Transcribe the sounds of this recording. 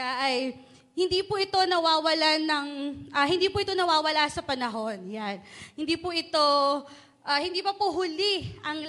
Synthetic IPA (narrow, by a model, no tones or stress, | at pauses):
aʔɐj | hɪnd̪iːpʊʔɪt̪o̞nɐwaːwɐlanɐŋʔɐhɪnd̪iːpʊʔɪt̪o̞nɐwaːwɐlasɐpɐnɐɦo̞njanhɪnd̪iːpʊʔɪt̪o̞ | ʔɐhɪnd̪iːpɐpʊɦʊliʔɐŋ